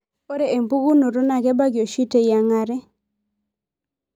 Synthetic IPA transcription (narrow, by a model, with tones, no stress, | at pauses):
o˦ɾe˦˨e˨mbu˦ɡu˦no˨ɾo˦na˨ɡɛ˦ba˦ɡɪ˨o˨ʃi˦te˨ja˨ŋa˦ɾɛ˦